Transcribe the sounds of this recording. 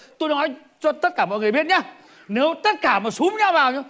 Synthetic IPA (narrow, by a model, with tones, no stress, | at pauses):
t̪o˧jnɔ˨˦j | t͡ɕɔ˧t̪ə˦˥t̚kaː˧˩mɔ̰˧˨jŋɨ˨˩ɓi˥ət̚ɲaː˨˧˦ | ne˨˦wt̪ə˦˥t̚kaː˧˩maː˨˩su˨˦ŋ͡mɲa˧wvaː˨˩wɲɨ˨˦